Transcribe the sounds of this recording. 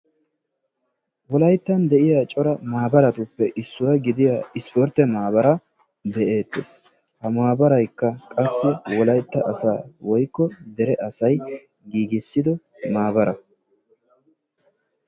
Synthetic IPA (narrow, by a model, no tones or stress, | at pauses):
wɔlɐjt̪ːɐnd̪ɛʔɪjat͡ʃʼɔɾɐmaːbɐɾɐt̪ʊpːɛʔɪsːʊwɐɡɪd̪ɪjaɪspɔɾt̪ːɛmaːbɐɾɐ | bɛʔe̞ːt̪ːeːs | hɐmaːbɐɾɐjkːɐkʼɐsːɛwɔlɐjt̪ːɐʔɐsaːwɔjkːɔd̪ɛɾɛʔɐsɐj | ɡiːɡɪsːɪd̪ɔ | maːbɐɾɐ